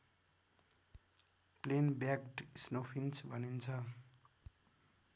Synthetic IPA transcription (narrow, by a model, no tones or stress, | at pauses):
plenbjakʈsnopʰint͡sʰbʱʌnint͡sʰʌ